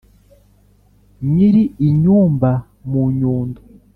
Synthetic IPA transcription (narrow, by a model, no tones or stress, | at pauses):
ɲiɾiiɲuːmba | muɲuːndu